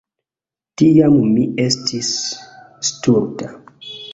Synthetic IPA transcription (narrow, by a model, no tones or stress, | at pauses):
tijammiestʰis | stuɾta